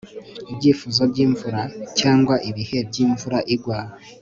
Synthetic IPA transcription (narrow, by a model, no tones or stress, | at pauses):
ibɟiːfuzobɟiːɱvuɾacaːŋɡwaʔiβihe̞bɟiːɱvuɾaʔiɡwaːɾa